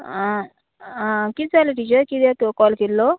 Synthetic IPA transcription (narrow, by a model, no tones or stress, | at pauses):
ã | ãkiːd͡zaləʈit͡ɕəɾkid̪at̪kɔlkelːɔ